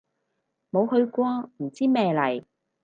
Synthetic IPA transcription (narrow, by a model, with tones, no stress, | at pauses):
mo˨˧whɵ˧ɥkʷɔː˥m̩˨˩t͡siː˥mɛː˧lɐ˨˩j